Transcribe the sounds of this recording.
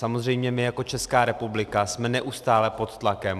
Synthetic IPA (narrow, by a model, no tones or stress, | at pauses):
samo̞zr̝ɛjmɲɛmɪjako̞t͡ʃɛskaːɾɛpublɪkasmɛnɛʔust̪aːlɛpo̞t̪t̪lakɛm